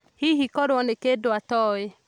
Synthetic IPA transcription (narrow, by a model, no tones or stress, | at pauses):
hiɦikɔɾɔnekedoatɔe